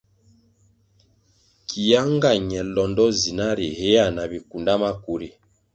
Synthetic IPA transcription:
kʰi˨ja˦ŋɡa˨ɲɛ˨lɔ˨ndɔ˦zi˨na˦ɾi˨he˦a˦˨na˨bi˨ku˨nda˦ma˦ku˨ɾi˨

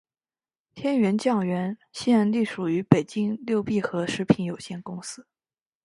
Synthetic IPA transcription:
t̪ʰjɛ˥nɥɛ˧˥nt͡ɕjɑ˥˩ŋɥɛ˧˥nɕi˥ə˧˥nli˥˩ʂu˨˩y˧˥pe˨˩ɪt͡ɕi˥ŋljo˥˧ʊpi˥˩xɤ˧˥ʂɻ̩˧˥pʰi˧˥njo˨˩ʊɕjɛ˥˩nkʊ˥ŋsɹ̩˥

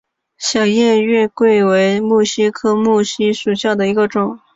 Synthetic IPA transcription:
ɕjɑ˨˩ʊjɛ˥˧nɥɛ˥˧kwe˥˩ɪwe˧˥ɪmu˥˩ɕi˥kʰɤ˥mu˥˩ɕi˥ʂu˨˩ɕjɑ˥˩d̪ə˩i˧˥ɡə˧ʈ͡ʂʊ˨˩˦ŋ

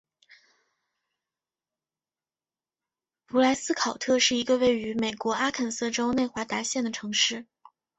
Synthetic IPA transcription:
pu˧˥la˧˥ɪsɹ̩˥kʰɑ˨˩ʊt̪ʰɤ˥˧ʂɻ̩˥˩i˧˥ɡə˧we˥˩ɪy˧˥me˨˩ɪkwɔ˧˥a˥kʰə˨˩nsɤ˥˩ʈ͡ʂo˥ʊne˥˩ɪxwa˧˥t̪a˧˥ɕjɛ˥˩nd̪ə˩ʈ͡ʂʰɤ˧˥ŋʂɻ̩˥˩

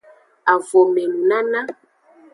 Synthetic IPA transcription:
a˨vo˨mɛ˨nu˨na˦nã˦

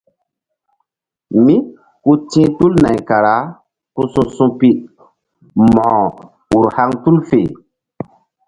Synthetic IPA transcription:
mi˦ | ku˦tĩː˦tu˦lna˨jka˨ɾa˨˦ | ku˦sũ˦sũ˦pi˦ʔ | mɔ̃˨ | u˨ɾha˦ŋtu˦lfe˨

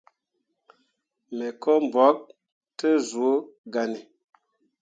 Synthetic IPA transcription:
mɛ˨kɔ˦m˨bɔ˨˦k̚ | tə˦zu˨˦ɡa˨ni˨

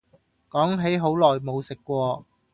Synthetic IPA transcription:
kɔː˨˥ŋɦe˨˥jɦo˨˥wlɔː˨˩jmo˨˧wsɪ˨kːʷwɔː˧

